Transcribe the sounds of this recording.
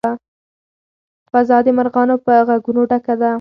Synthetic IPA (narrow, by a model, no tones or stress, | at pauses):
a | fazɑd̪emaɾɣɑnopəaɣaɡunoɖakad̪a